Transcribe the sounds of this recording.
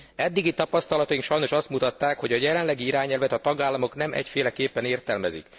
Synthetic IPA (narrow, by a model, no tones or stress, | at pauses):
ɛd̪ːiɡit̪ɒpɒst̪ɒlɒt̪ɒjiŋkʃɒjno̞ʃɒst̪mut̪ɒt̪ːaːkho̞ɟɒjɛlɛnlɛɡiiɾaːɲɛlvɛt̪ɒt̪ɒɡaːlːɒmo̞knɛmʔɛ̰cfeːlɛkeːpːɛneːrt̪ɛlmɛzḭk